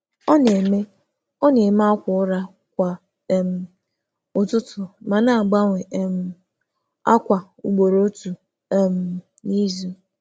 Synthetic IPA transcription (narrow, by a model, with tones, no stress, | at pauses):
ɔ˦ne˨me˦ | ɔ˦ne˨ma˦kʷʊ˨ʊ˦ɾa˦ | kʷa˨˦ | m̩˨ | ʊ˨tʊ˦tʊ˨ma˨na˦a˨ɡ͡ba˦ŋʷe˨˦m̩˦ | a̰˦kʷa˨ | u˨ɡ͡bo˨ɾo˦tu˨˦ | m̩˨ | ni˦zu˨˦